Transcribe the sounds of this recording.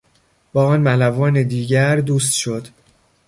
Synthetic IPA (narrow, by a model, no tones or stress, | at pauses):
b̥ɒːɒːnmælævɒːned̪iːɟæɾd̪uːs̬t̪ʃo̞d̪̥